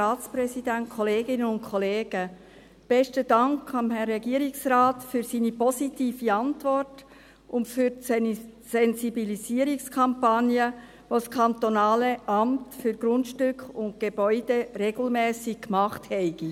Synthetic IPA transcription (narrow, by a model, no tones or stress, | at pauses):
ɑːt͡sprɛsidæntkʰɔleːɡɪnənʊnkʰɔleːɡ̥ə | b̥ɛʃtəd̥ɑŋkɑmɦɛrːɛɡiəɾiksraːtfyɾsiːnipɔsitiːfiɑntvɔrt | ʊntfyɾ | sɛnzibilisiəɾikskʰɑmpɑnjə | ʋoskʰɑnt̪onɑːləʔɑmtfyɾɡɾʊntʃtʏkχʊnt̚ɡ̥eb̥œʏd̥eɾeɡl̩mɛːsɪk̚kmɑχthɛɪɡ̥i